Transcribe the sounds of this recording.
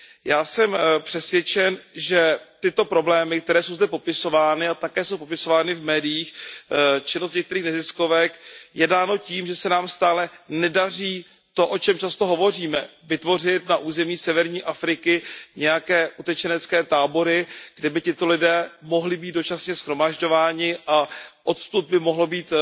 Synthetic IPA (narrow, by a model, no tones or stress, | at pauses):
jaːsɛmpr̥ɛsvjɛt͡ʃɛnʒɛt̪ɪt̪o̞pɾo̞blɛːmɪk̚t̪ɛɾɛːsowzdɛpo̞pɪso̞vaːnɪat̪akɛːso̞wpo̞pɪso̞vaːnɪvmɛːdɪjiːx | t͡ʃɪnost̪ɲɛk̚t̪ɛɾiːxnɛzɪsko̞vɛkjɛdaːno̞ciːmʒɛsɛnaːmst̪aːlɛnɛdariː | t̪o̞ʔo̞t͡ʃɛmt͡ʃast̪o̞ɦo̞vo̞r̝iːmɛvɪt̪vo̞r̝ɪt̪naʔuːzɛmiːsɛvɛɾɲiːʔafɾɪkɪɲɛjakɛːʔut̪ɛt͡ʃɛnɛt͡skɛːt̪aːbo̞ɾɪɡ̥dɛbɪcɪt̪o̞lɪdɛːmo̞ɦlɪbiːt̪̚do̞t͡ʃasɲɛsxɾo̞maʒɟo̞vaːɲɪʔaʔo̞t̪st̪ub̪̚bɪmo̞ɦlo̞biːt̪